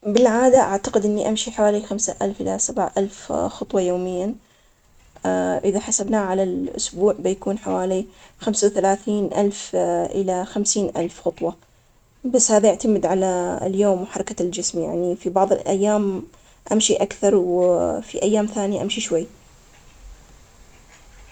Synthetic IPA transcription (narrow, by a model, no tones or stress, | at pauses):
bɪlʕaːd̪aʔaʕt̪aqɪd̪ʔɪnːiʔamʃiħawaːlixamsaʔalfʔɪ̰lasabʕʔalfxʊt̪ˤwɑjoːmɪjːa | ʔɪðaħasabnaːʕalalʔʊ̰sbuːʕbɪjakuːnħawaːlixamsawθalaːθiːnʔalfʔɪlaxamsiːnʔa̰lfxʊt̪ˤwɑ | basːhaːðajɪʕt̪amɪd̪ʕala̰ljoːmwħɑɾˤɑkald͡ʒɪsmja̰ʕnifibɑʕðˤɨlʔa̰jːaːm | ʔamʃiʔakθɑɾˤwfiʔajːaːmθaːnijaʔamʃiʃwajː